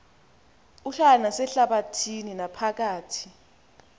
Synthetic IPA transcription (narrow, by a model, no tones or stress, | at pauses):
uɬanasɛɬaɓatʰininapʰak̬aːtʰi̥